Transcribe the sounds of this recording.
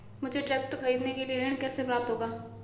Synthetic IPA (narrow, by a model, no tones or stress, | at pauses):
mʊd͡ʒʱeʈɾɛːk̚ʈkʰɐɾiːd̪nekelienkɛːsepɾaːb̚t̪ɦoːɡaː